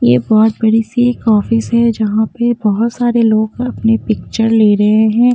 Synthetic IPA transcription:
jeːbɔːt̪̚bɐɽisekɔːfɪsɦɛd͡ʒɐɦãpebɐɦʊt̪saːɾeloːɡɐpnepɪk̚t͡ʃəɾleːɾɐɦeɦɛ̃ː

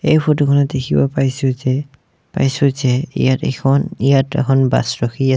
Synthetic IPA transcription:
ejpʰotokʰɔnadekʰibapaɹjsʊzɛ | pa̰jsʊzɛḭjatɛ̰kʰɔnijatɛ̰kʰɔnba̰sɹɔkʰia

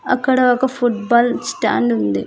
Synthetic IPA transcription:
ɐkːɐɽɐɔkːɐfuʈbaːlsʈa̰ːɳɖund̪i

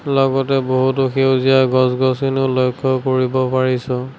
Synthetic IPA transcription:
lɔɡɔtɛboɦutoxewzijaɡɔsɡɔskinolɔjkʰːɔkoɹibɔpaɹisɔ̃

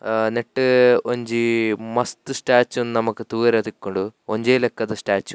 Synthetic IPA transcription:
neʈːɨoɲd͡ʑimɐst̪ɨsʈaːt͡ɕːuenːɨnɐmukːɨt̪uːɾɐt̪ikʲːoɳɖuoɲd͡ʑejlekːɐt̪ɨsʈaːt͡ɕːu

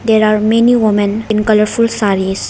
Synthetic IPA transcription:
d̪eɾaːɾmeniʋɪmɛ̃nɪ̃nkʌləɾfulsaɾis

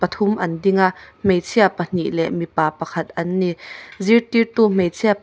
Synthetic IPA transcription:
pɐt̪ʰʊmʔɐndɪŋaʔm̥ejt͡sʰiapɐn̥iʔlɛʔmipaːpɐkʰɐt̪̚ʔɐnːizirt̪irt̪um̥ejt͡sʰia

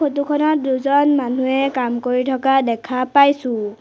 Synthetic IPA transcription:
xot̬ukʰɔnɔt̚duzɔnmanuɛkamkoɹitʰɔkadɛkʰapajsʊ̃

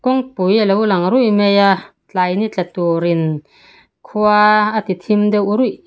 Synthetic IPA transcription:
kuŋpujalewlaŋɾujʔmeja | t͡ɬajnit͡ɬat̪uɾin | kʰuaːt̪it̪ʰimd̪ɛʔuɾuj

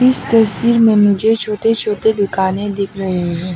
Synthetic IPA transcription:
ɪst̪ɐswiːɾmẽmʊd͡ʒʱet͡ʃʰoːʈet͡ʃʰoːʈed̪ʊkaːnẽd̪ɪkʰɾɐɦeɦɛ̃ː

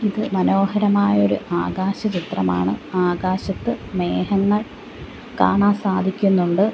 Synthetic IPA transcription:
iðɨmɐno̞ːhɐɾɐmaːjɐo̞ɾuʔaːɡaːɕɐt͡ɕit̪rɐma̰ːɳɨaːɡaːɕɐt̪ːɨme̞ːɦɐŋːɐɭ | ka̰ːɳaːnsaːd̪ʱikʲːunːuɳɖɨ

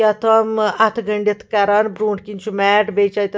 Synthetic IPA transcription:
ɐt̪ʰɐmɐt̪ʰɡɐɳɖit̪ʰkɐɾanbɾuːɳʈkint͡ʃʰumɛːʈbet͡ʃajt̪

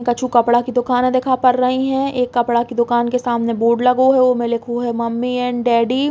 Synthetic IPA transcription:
kɐt͡ʃʰukɐpɽakid̪ʊkaːnẽd̪eːkʰapɐɾːɐɦiɦɛ̃eːkːɐpɽakid̪ʊkaːnkesaːmneboːɖlɐɡoɦɛomẽlɪkʰoɦɛmɐmːiɛ̃ːɳɖɛːɖi

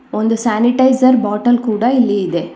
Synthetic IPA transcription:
ond̪usaːniʈɐɪsɐɾbaːʈɐlkuːɽɐilːiid̪e

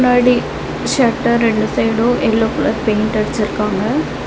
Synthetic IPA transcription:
naːɽi | ʃɐʈːɐɾɛɳɖɯsɐɪɽoʔɛlːoːkʊɭɐɾpeːɳʈɐɽɪt͡ʃːɪɾɯkːaːŋɡɐ

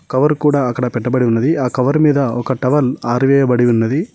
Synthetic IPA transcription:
kɐʋɐɾkuːɽaːɐkːɐɽɐpɛʈːɐbɐɽiunːɐd̪iaːkɐʋɐɾmiːd̪ɐɔkɐʈɐʋɐlaːɾiʋɛːjɐbɐɽiʋunːɐd̪i

